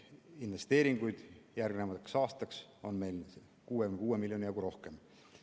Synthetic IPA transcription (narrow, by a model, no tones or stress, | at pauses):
inve̞st̪e̞ːɾiŋɡ̥ujd̪̥jærɡ̥nemɑt̪eksɑːst̪ɑkso̞nme̞jl | kuːweymkuːwemiljo̞nʲijɑɡuɾo̞hke̞m